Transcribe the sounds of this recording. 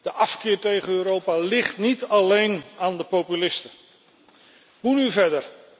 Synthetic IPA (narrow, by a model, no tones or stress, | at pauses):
d̥əʔɑfkɪːɹtejχənøːɾowpaːlɪχtnitɑlejnaːndəpowpylɪstə | munyvɛɹdəɹ